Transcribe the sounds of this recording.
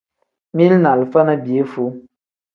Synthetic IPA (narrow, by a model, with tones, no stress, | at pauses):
mi˦lna˨lfə˦nə˦bje˨˦fu˨˦